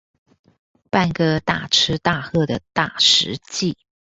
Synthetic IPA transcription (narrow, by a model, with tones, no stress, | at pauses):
pa˥˩nkə˥˧t̪a˨˩ʈ͡ʂʰɻ̩˥t̪a˥˧xɤ˥˩d̪ə˩t̪a˥˩ʂɻ̩˧˥t͡ɕi˥˩